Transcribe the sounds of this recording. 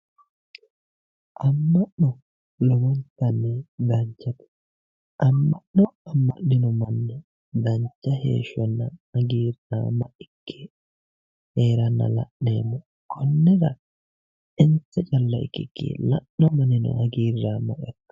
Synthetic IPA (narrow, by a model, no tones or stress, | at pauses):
ʔɐmːɐʔnɔ | lɔɡɔnt̪ːɐnːɛd̪ɐɲt͡ʃːɐt̪ɛ̥ | ʔɐmːɐʔnɔɐmːɐ̰ʔnɪnɔmɐnːɛ | d̪ɐɲt͡ʃːɐhḛːʃːɔnːɐɐɡiːɾa̰ːmɐʔɪkʰːɛ̥ | heːɾɐnːɐ̰lɐ̰ʔneːmːɔ | kʰɔnːɛɾɐ | ɪnt͡sːɛt͡ʃʼɐlːɐɪ̰kːɪkːḭlɐʔːɔmɐnɪnɔ̰ʔɐɡiːɾːaːmɐ̰ʔɛkːɐ̥